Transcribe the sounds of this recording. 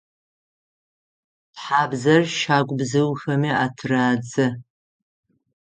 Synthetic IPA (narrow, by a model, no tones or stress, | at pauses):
tħaːbzɐrʃaːkʷʼbzɨwxɐmiatʰraːd͡zɨ